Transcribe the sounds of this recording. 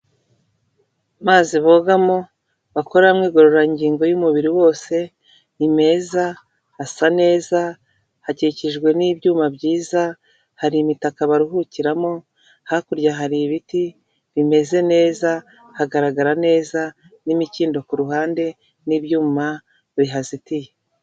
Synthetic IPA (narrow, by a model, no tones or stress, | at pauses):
maːziβoɡamo̞ | βako̞ɾaamŋiːɡo̞ɾoɾaiɲɟiːŋɡo̞jumuβiɾiwo̞ːse̞ | ime̞za | asane̞ːza | haciciʒɡwe̞niːbɟuːmabɟiːza | haɾimitakaβaɾiɦuciɾamo̞ | hakuɾɟaɦaɾiβiti | βime̞ze̞ne̞ːza | haɡaɾaɡaɾane̞ːza | nimiciːndo̞kuɾuɦaːnde̞ | nibjuːma | βiɦazitije